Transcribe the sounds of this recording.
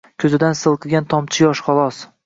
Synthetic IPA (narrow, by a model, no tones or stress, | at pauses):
kʲʰɵzɪd̪ansɨlˠqʰɨɡʲant̪ʰɒmt͡ʃʰɪjɒʃχɒlˠɒs